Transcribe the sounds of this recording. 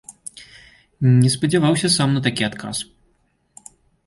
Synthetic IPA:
nʲɛspɐd͡zʲavawsʲɐsamnɐt̪akʲiat̪kʰa̰s

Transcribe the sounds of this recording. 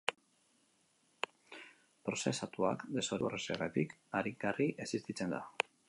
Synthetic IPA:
pɾose̞sat̪ua̰kd̪e̞so̞ɾureseret̪ikaɾikɡariʔesist̪it͡se̞nd̪a̰

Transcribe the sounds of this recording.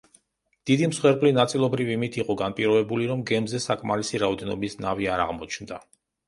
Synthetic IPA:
d̪̥id̪imsχwɛɾbʼlinat̪sʼilˠɔbɾivimit̪ʰiqʼɔɡanpʼiɾɔɛbuliɾɔmɡɛmzɛsakʼmalisiɾaɔd̪ɛnɔbisnaviaɾa̰ʁmɔt͡ʃʰnd̪a̰

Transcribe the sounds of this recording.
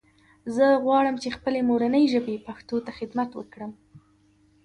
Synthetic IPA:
zəɣwɑɽəmt͡ʃexpəlemoɾanəjʒəbepaxt̪ot̪axɪd̪mat̪wə̰kɽəm

